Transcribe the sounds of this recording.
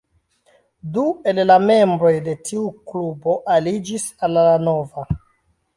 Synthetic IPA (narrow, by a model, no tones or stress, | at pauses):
due̞llame̞mbɾo̞jde̞tʰiuklubo̞ʔalid͡ʒisallano̞va